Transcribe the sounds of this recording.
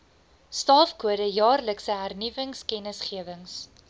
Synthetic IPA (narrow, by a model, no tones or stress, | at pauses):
stɑːfkuəɾəjɑːrləksəɦærnivəŋskɛnəsχiəvəŋs